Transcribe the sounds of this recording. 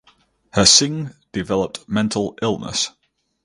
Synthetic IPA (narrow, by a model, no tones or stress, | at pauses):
həsɪ̃ŋd̥ɪvɛləp̚tmɛ̃ntʰˡəlɪlˠnə̰s